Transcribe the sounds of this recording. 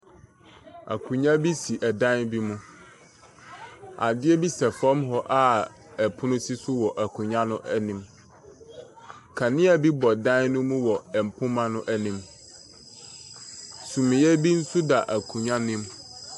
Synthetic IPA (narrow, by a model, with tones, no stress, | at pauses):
a̰˨kʰũ˨ɲã˦bi˦si˨ʔɛ˨dã˦nbi˦mũ˦ | a̰˨dɪ˦ɛ˦bi˦sɛ˨fɔ̃˦mɦɔ˦ʔa˦˨ | ɛ˨pʰʊ̃˦nʊ̃˦si˦sʊ˦wɔ˨ʔæ˨kʰũ˨ɲã˦nʊ̃˦ʔɛ˦nĩ˨m | kʰa˨nɪ̃˦a˨bi˦bɔ˨dã˦nnʊ̃˦mũ˦wɔ˨ɛ˨m̩˨pʰʊ̃˦mã˦nʊ̃˦ʔæ˦nĩ˨˦m | sũ˨mɪ̃˨jɛ˦bi˦n̩˦su˦da˨ʔæ˨kʰũ˨ɲã˦nɪ̃˦m